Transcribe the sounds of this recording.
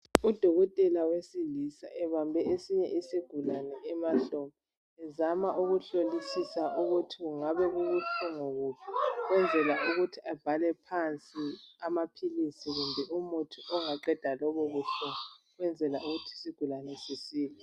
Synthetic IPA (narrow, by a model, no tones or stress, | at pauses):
ud̥ʱɔɣɔtʼɛlawesilisa̰ʔɛβambʱɛesiɲɛ̰ʔisiɡ̥ʱulanɛːmaɬɔmɔ | ɛzamaʔuɣuɬolisisauɣutʰiɣuŋaβɛɣuɣutʰuŋoɣuːpʰɛɣwɛnd͡zʱɛlauɣutʰiab̥ʱalɛpʰant͡sʼiamapʰilisiɣumbʱɛumutʰiʔɔŋaǃɛd̥ʱalɔβɔβuɬɔɔ | ɣwɛnd͡zʱɛlauɣutʰisiɡ̥ʱulanɛsisiːlɛ